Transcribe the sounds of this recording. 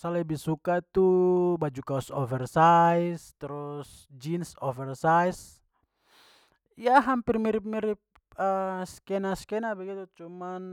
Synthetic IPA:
salɛbihsukat̪ubad͡ʒukaɔsɔfɛrsaist̪ɛɾus | d͡ʒinsɔfɛrsajs | ijaɦampirmiɾip̚miɾip̚ | əskɛnaskɛnabɛɡit̪ut͡ʃuman

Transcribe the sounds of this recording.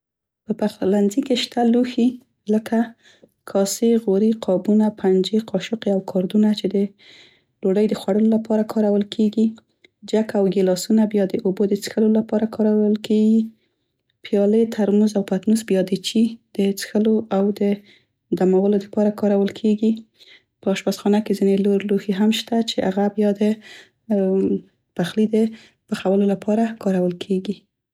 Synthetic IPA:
pəpaxllanzikeʃt̪aluxi | ləka | kʰɑseɣoɾiqʰɑbunapʰand͡ʒeqʰɑʃʊqeawkʰɑɾd̪unat͡ʃed̪ə | loɖəjd̪əxwaɽəlolapɑɾakʰɑɾawəlkʰeɡi | d͡ʒakawɡelɑsunabjɑd̪əʔobod̪ət͡sxəlolapɑɾakʰɑɾawəlkeɡi | pjɑlət̪ʰaɾmuzawpat̪nusbjɑd̪ət͡ʃid̪̥ət͡sə̥xəloʔawd̪ə | d̪amawəlod̪əpɑɾakɑɾawəlkʰeɡi | pəɑʃwasxɑnakezineloɾluheɦamʃt̪at͡ʃeʔaɣabjɑd̪ə | paxlid̪ə | pəxawəlolapʰɑɾakɑɾawəlkʰeɡi

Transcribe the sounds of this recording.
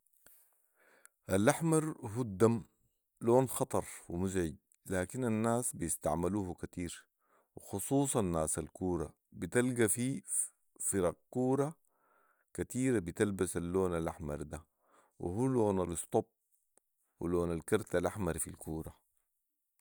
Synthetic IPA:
ʔalːʔaħmɑɾˤɦud̪ːam | loːnxɑt̪ˤɑɾˤwimʊzʕɪɟ̪̚ | laːkinanːaːsbijist̪a̰ʕmaluːhukat̪iːɾ | wɪxusˤuːsˤɑnːaːsalkuːɾˤɑ̰ | bit̪alɡafi | fiɾɑq̚kuːɾˤɑ | kat̪iːɾabit̪albasalːoːnalʔaħmɑ̰ɾˤd̪a | wḭɦuːloːnalɨst̪ˤob̚ | wḭloːnalkɑɾˤt̪alʔaħmɑɾfilkuːɾˤɑ

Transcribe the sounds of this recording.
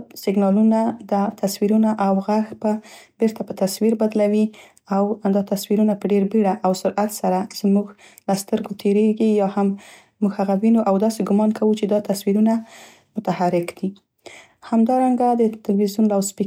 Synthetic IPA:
sɪɡnɑlunad̪at̪ʰaswiɾunaʔawɣaxbabeɾt̪apət̪aswiɾbad̪lawi | awd̪ɑt̪aswiɾunapəɖeɾbeɽaʔawsʊɾʔat̪saɾaz̥əmuɡ | last̪əɾɡot̪ʰeɾeɡijɑhamː | uɡhaɣawinoʔawd̪ɑseɡʊmɑnkʰawut͡ʃed̪ɑt̪aswiɾuna | mʊt̪ahaɾɪkd̪̥i | hamd̪ɑɾaŋɡad̪ət̪ɪlwizjunlawspi

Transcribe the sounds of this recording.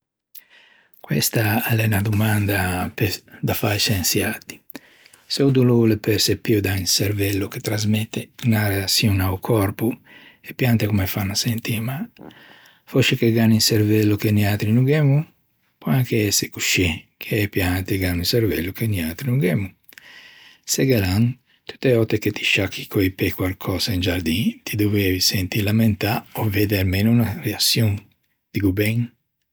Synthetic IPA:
kwɛ̰st̪aalɛnad̪umand̪aped̪afajsensjat̪i̥ | seud̪ululepɛɾsepːiud̪ainseɾvɛlːuket̪ɾazmɛt̪ːenaɾeasjunaukʰɔɾpu | epjant̪ekumefanasent̪ima | fɔʃekeɡaninseɾvɛlːukeniat̪ɾinuɡɛmu | pɔaŋkeɛseku̥ʃekʰeɛpjant̪eɡaninseɾvɛ̰lːukeniat̪ɾinuŋɡɛmu | seɡelaŋ | t̪u̥t̪eɔt̪ekːet̪i̥ʃakʰːi̥koipekwalkʰɔːsaind͡ʒaɾd̪it̪ʰid̪ovɛvisent̪ilament̪aovɛd̪eɾmenuunareasjoŋ | d̪̥iɡubɛŋ

